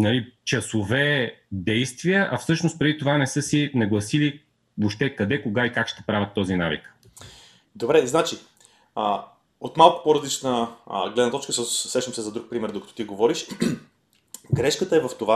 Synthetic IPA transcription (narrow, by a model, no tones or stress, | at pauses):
nɐlit͡ʃɐsovɛd̪ɛjst̪vijəʔɐfsɤʃnost̪̚pɾɛd̪it̪ovanɛsɤsinɐɡlˠɐsili | voʃt̪ɛkɐd̪ɛkoɡaikakʃt̪ɛ̥pɾavʲɐt̪ːɔzinavḭk | d̪obɾɛznat͡ʃi | ot̪malˠkʊ̥poɾɐzlit͡ʃnəɡlɛd̪nət̪ɔt͡ʃkəsəsɾɛʃt̪əmsɛzɐd̪ɾuk̚pɾimɛɾd̪okə̥t̪o̥t̪iɡovɔɾiʃ | ɡɾɛʃkət̪əɛvɐft̪ova